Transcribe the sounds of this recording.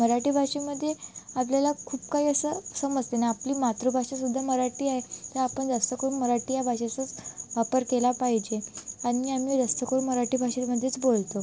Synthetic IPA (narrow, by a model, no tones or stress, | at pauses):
məɾaʈiːbʱaɕeməd̪ʱːjeap̬ljalakʰuːp̚kaɦiːəsəsəməd͡ʑd͡zt̪enaapliːmat̪ɾubʱaʂas̬ud̪ʱːaməɾaʈiːaɦet̪əɾapəɳd͡zast̪əkəɾunməɾaʈiːjabʱaɕat͡sət͡sʋapəɾkelapaɦid͡ʑeaniːam̤iːd͡zast̪əkəɾunməɾaʈiːbʱaɕiməd̪ʱːjet͡sbolt̪o